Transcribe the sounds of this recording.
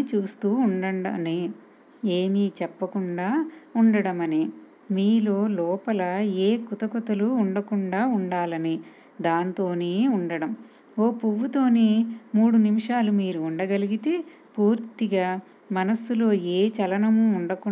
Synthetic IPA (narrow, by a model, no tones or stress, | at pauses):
t͡ʃuːst̪uːuɳɖɐɳɖɐni | eːmit͡ʃɛpːɐkuɳɖaːuɳɖɐɽɐmɐni | miːlo̞ːlɔːpɐlɐeːkut̪ɐkut̪ɐluːɳɖɐkuɳɖaːuɳɖaːlɐni | d̪aːnt̪o̞ːneːuɳɖɐɽɐm | oːpuʋːut̪o̞ːnemuːɽunimiʂaːlumiːɾuːɳɖɐɡɐliɡit̪e̞ | puːɾt̪iɡaː | mɐnɐsulo̞ːeːt͡ʃɐlɐnɐmuːɳɖɐku